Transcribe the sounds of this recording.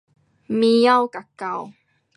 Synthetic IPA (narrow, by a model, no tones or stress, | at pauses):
mijawkakːaw